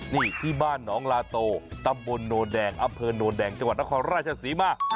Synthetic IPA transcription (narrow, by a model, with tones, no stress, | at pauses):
niː˥˩t̪ʰiː˥˩baː˥˩nːɔː˩˦ŋlaː˧t̪oː˧t̪a˧mbo˧nːoː˧ndɛː˧ŋʔa˧mpʰɤː˧noː˧ndɛː˧ŋt͡ɕa˧ŋwa˨˩t̪̚n˦˥kʰɔː˧nɾaː˥˩t̪̚t͡ɕʰa˧siː˩˦maː˧˩